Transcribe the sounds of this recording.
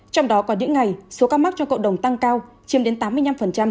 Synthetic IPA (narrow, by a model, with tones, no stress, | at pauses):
t͡ɕɔ˧wŋ͡mɗɔ˨˦kɔ˨˦ɗḭ˧˥əŋːa˨˩jso˨˦kaː˧ma˦˥t̚t͡ɕɔ˧ŋ͡mkə̰˧˨wɗə˨˩wŋ͡mt̪a˧ŋkaː˧w | t͡ɕi˨˦əmɗe˨˦nt̪aː˨˦mːɨ˧əjna˧mfə˨˩nt͡ɕa˧m